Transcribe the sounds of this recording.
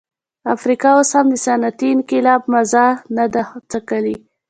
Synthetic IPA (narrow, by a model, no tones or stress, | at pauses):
afɾikɑwoshamd̪əsanat̪iɪnkɪlɑbmazanad̪at̪akəli